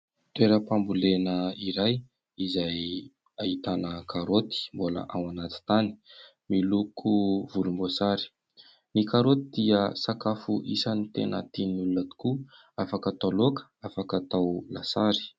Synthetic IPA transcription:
t̪weɾəpambulenəiɾaj | izaj | aɦit̪anəkʰaɾot̪i̥mbola̰ʔawanat̪i̥t̪ani̥ | milukʰuvulumbosaɾi̥ | nikaɾot̪id̪̥iəsakafuʔisanit̪ḛnə̰t̪inulunət̪u̥ku | afakət̪alokə̥afakat̪awlasaɾi̥

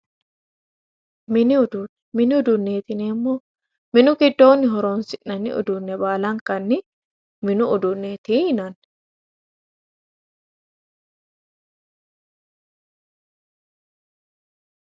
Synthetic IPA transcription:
mɪnɪʊd̪un | mɪnɪʊd̪ʊnːeːt̪ɪnɛmːo | mɪnʊkɪd̪ːoːnːɪɦɔɾoːnsɪʔɐnːɪ̰ʊ̰d̪ʊnːɛbaːlɐŋkɐnːɪ | mɪnʊʊd̪ʊnːet̪iːhɪnɐn

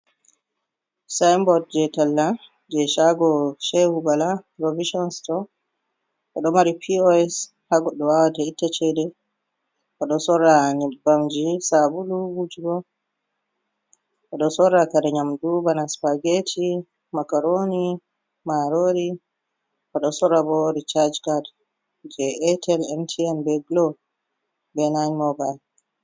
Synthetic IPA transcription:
sajmbɔd̚d͡ʒɛtalːa | d͡ʒɛʃaɡɔʃɛhubalapɾoviʃɔnstɔ | ʔɔɗɔmaɾipʰiɔɛs | haɡɔɗɔwawatɛitːat͡ʃɛdɛ | ʔaɗɔsɔɾaɲibamd͡ʒisabuluɡud͡ʒuɡɔ | ʔaɗɔsɔɾakadɛɲamdubanaspaɡetʰi | makaɾoni | maɾoɾi | ʔaɗɔsɔɾabɔɾit͡ʃad͡ʒkad | d͡ʒɛɛtʰɛlɛntʰiɛmbɛɡlɔ | bɛnaɲmɔbajl

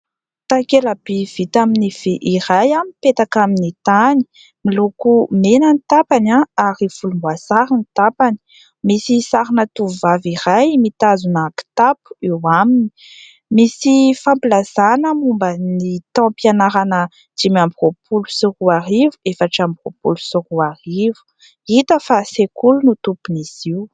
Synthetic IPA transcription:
t̪akelabiv̥it̪aminiv̥eʔiɾajampet̪akaminit̪ani̥ | milukumenənit̪apanaaɾifulumbwasaɾinit̪apani̥ | misisaɾinat̪uvaviɾajmit̪azunaki̥t̪apu̥iwamini̥ | misifãmpilasanəmumbənit̪ɔ̃pijanaɾanə | d͡ʒ̥imamburopʰulusiruaɾivuefaʈ͡ʂambro̰pulusuɾuarivu̥ | it̪əfasekulunut̪upuniziw

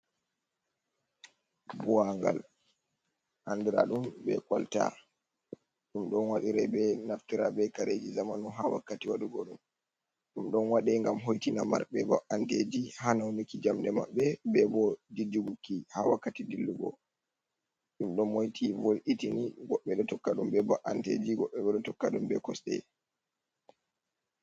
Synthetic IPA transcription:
bɔaŋɡa̰l | ʔandiɾa̰ɗumbɛ̰kalta̰ | ɗumɗɔnwaɗiɾɛbɛnaftiɾabɛkaɾed͡ʒizamanɔɦawa̰kːatiwaɗuɡɔɗum | ɗumɗɔnwaɗiŋɡamɦojtinama̰ɾɓɛbɔ̰ʔanded͡ʒihanawnikid͡ʒamdɛmaɓːɛbɛbɔdid͡ʒuɡukːihawakːatidilːuɡɔ̰ | ɗumɗɔnmojtʰivolʔitiniɡɔɓːɛɗɔtɔkːaɗumbɛbɔʔantḛd͡ʒiɡɔɓːɛɓɛɗɔtɔkːaɗumbɛkɔsɗɛ̰

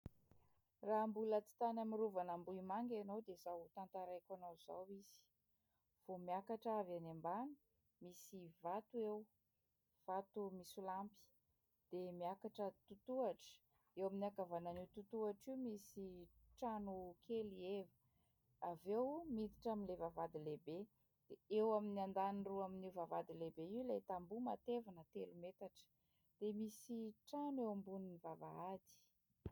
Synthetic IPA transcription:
raɦmbulət͡si̥t̪anamiɾuvanambuimaŋɡanowd̪ezawt̪ant̪aɾajkanowz̥a̰wiz̥i̥ | v̥omiakaʈ͡ʂavanembanu | misivat̪uew | v̥at̪umisulampi̥ | d̪̥emiakaʈ͡ʂət̪ut̪uaʈ͡ʂə̥ | ewaminiakavananet̪ut̪uaʈ͡ʂiwmisiʈ͡ʂanukʰelievə̥ | avewmit̪i̥ʈ͡ʂamilevavad̪ilebe | d̪̥eewaminiand̪aniruaminivavad̪ilebeiwlajt̪ambumat̪evanət̪elumet̪aʈ͡ʂə̥ | d̪̥emisiʈ͡ʂanewambuninivava̰ad̪i̥

